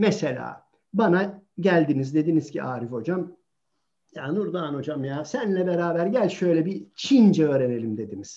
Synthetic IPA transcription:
mɛselʲa̰ː | banaɟælʲd̪inizd̪e̞d̪inizciʔaːɾifo̞d͡ʒam | jaːnuɾd̪aːno̞d͡ʒamjaːsænlʲɛbeɾaːbæɾɟælʲʃø̞jlʲɛbit͡ʃʰind͡ʒɛøːɾene̞lʲimd̪e̞d̪iniz̥

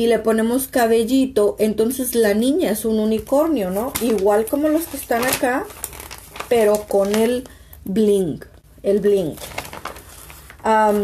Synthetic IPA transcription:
ileponemoskaβeʝit̪oʔent̪onse̞slanĩɲaesununiko̞ɾnjonoiɣwalkomoloskest̪anaka | peɾokonel | bliŋk | elbliŋk | am

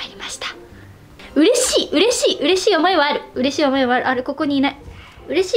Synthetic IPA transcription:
aɾʲimaɕi̥t̪ḁ | ɯ̟ɾe̞ɕiːʔɯ̟ɾe̞ɕiːʔɯ̟ɾe̞ɕiːo̞mo̞e̞βaaɾɯ̟ɯ̟ɾe̞ɕiːo̞mo̞eβaaɾɯ̟aɾɯko̞ko̞ɲ̟iːnai | ɯ̟ɾe̞ɕiː

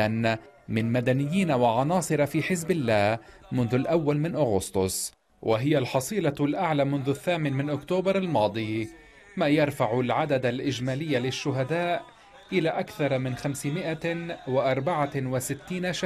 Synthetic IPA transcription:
an | mɪnmad̪anɪjːiːnawaʕɑnɑːsˤɨɾˤɑfiːħɪzbɪlːaːh | mʊnðʊlʔawːalmɪnʔʊɣʊst̪ˤʊsˤ | wʔaɦɪjalħɑsˤiːlɑlʔaʕlaːmʊnðʊaθːaːmɪnmɪnʔʊkt̪oːbɑɾˤalmɑːd̪ˤiː | maːjɑɾˤfaʕʊlʕad̪ad̪alʔɪd͡ʒmaːlɪjːalɪʃːʊɦad̪aːʔ | ʔɪlaːʔakθɑɾˤmɪnxamsɪmɪʔawɪʔɑɾˤbaʕawɪsɪt̪ːiːnaʃa

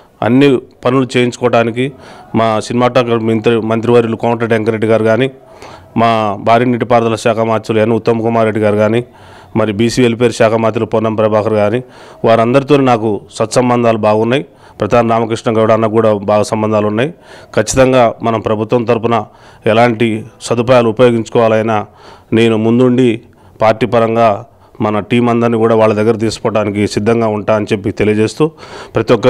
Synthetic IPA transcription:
ɐ̰nːipɐnulut͡ʃeːjiɲt͡ʃu̥kɔːɐɽaːnik̬imaːsinimaːʈaːkɐmint̪ɾimɐnt̪ɾiʋɐɾilukɐwɳʈɾɐʈeŋkɐɾeɖːiɡaːɾiɡaːni | maːbʱaːɾiːniʈ̬ipaːɾd̪ɐlɐʃaːkʰɐmaːt͡ʃ̪ulenːut̪ːɐmɐkumaːɾe̞ɖːiɡaːɾiɡaːni | mɐɾibiːsiːelip̬e̞ːɾuʃaːkʰɐmaːt͡ʃ̪ːulupɔnːɐmpɾɐbʱaːkɐɾɡaːni | ʋaːɾɐnd̪ɐɾit̪oːninaːkusɐt̪ːsɐmbɐnd̪ʱaːlubaːɡunːaːji | pɾɐd̪ʱaːnɐnaːmɐkɾiʂʈɳɐŋkɐʋɽaːnːɐkuːɽaːbaːɡɐsɐmbɐnd̪ʱaːlunːaːjikʰɐt͡ʃːi̥t̪ɐŋɡaːmɐnɐmpɾɐbʱut̪ʋɐnt̪ɐɾupunɐ | ɛlaːɳʈisɐd̪upajaːluupɐjo̞ːɡiɲt͡ʃu̥kɔːʋaːlɐjnaːne̞ːnumund̪uɳɖi | paːɾʈiːpɐɾɐŋɡaː | mɐnɐʈiːmɐnd̪ɐɾniːkuːɽaːʋaːɭːɐd̪ɐɡːɐɾɐt̪̬iːsu̥pɔːʈːaːnikisid̪ʱːɐŋɡaːuɳʈaːɐnit͡ʃepːit̪elijɐd͡ʒe̞ːst̪uːpɾɐt̪iʋɔkːɐ

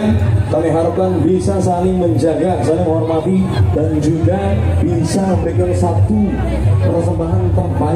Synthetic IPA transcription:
nkaliɦaɾup̚kanbisasaliŋməɲd͡ʒaɡasalɪŋɦɔrmat̪idand͡ʒuɡab̥isabəkənsat̪u | pəɾsəmbaɦant̪ərba

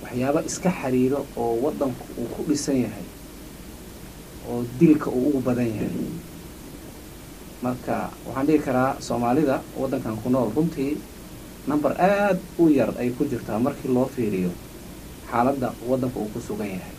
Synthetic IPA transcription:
wɑħjaːβɐʔɪskʰɐħɑɾiːɾɔːwɑd̪ːɐŋkʰʊʔuːkʰʊɖɪsɐnjɐɦɛ̰j | ʔɔːd̪ɪlkʰɐʔuːʊɣʊbɐðɐnjɐhɛ̰j | mɐrkʰɐ̰wʔɑ̰ħɑːnɖɪɣɪkʰɐɾaːsɔːmaːlɪðɐwɑ̰d̪ːɐŋkʰaːŋkʰʊnɔːlrʊnt̪ʰiː | nɐmbɐrʔaːd̪ʊjɐrɛjkʰʊt͡ʃɪrt̪ʰamɐrkʰiːlɔːfiːɾɪjɔ | ħaːlɐd̪ːɐwɑd̪ːɐŋkʰɐuːkʰʊsʊɣɐnjɐhɛj

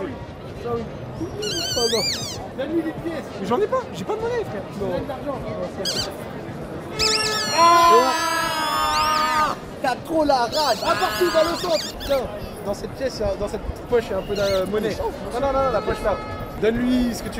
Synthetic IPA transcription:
wi | awi | nɔ̃ | d̪ɔnlɥilepjɛsmɛʒɑ̃nɛpaʒepad̪mɔnɛfχɛnɔ̃ɛd̪aʁʒɑ̃ɔ̃sɛɛ̃pøsat̪ɛ̃ | a | t̪at̪χolaʁaʒapaʁt̪ud̪ɑ̃lɔ̃sɑ̃t̪ | nɛ̃ | d̪ɑ̃sɛt̪̚pʲjɛsd̪ɑ̃sɛt̪̚pət̪i̥t̪̚pɔʃɛɛ̃pød̪amɔnɛ | nɔ̃nɔ̃nɔ̃nɔ̃lapɔʃla | d̪ɔnlɥisə̥kət̪y

